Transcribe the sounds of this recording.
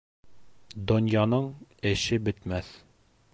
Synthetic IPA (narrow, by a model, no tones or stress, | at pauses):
d̪onjɑnɤɴɘ̆ʃɘbɘ̆t̪mæθ